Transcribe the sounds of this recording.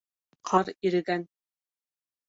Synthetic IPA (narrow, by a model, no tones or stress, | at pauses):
qʰɑɾiɾɘ̆ɡæn